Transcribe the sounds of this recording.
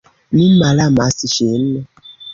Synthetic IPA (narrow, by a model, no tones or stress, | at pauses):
nim̩malamasiʃem̩mɛ